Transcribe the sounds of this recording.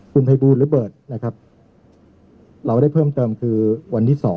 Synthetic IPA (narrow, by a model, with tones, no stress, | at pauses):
kʰu˧npʰa˧jbuː˧˩nlɯː˩˦˥bɤː˨˩t̪̚na˦˥kʰa˦˥p̚ | ɾa˧wɾa˥˩jpʰɤː˥˩mt̪ɤː˧mkʰɯː˧wa˧nt̪ʰiː˥˩sɔː˩˦